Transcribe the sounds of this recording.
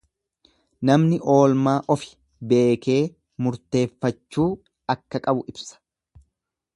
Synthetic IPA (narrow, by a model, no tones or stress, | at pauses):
nɐmnɪʔo̞ːlmaːʔɔfɪ̥ | be̞ːke̞ː | mʊɾt̪e̞ːfːɐt͡ʃːuː | ɐkːɐkʼɐbʊʔɪbsɐ̥